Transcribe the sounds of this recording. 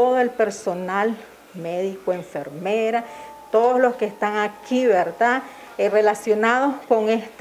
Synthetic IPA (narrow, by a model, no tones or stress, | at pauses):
oðoe̞lpe̞ɾso̞nal | meðikwoe̞ɱfeɾmeɾa | t̪o̞ðozlo̞skest̪aŋakʰiβeɾd̪a | re̞lasjonaðosko̞ŋest̪